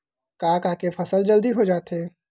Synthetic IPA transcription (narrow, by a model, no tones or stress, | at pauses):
kaːkaːkepʰɐsəld͡ʒəld̪iɦod͡ʒaːt̪ɦɛː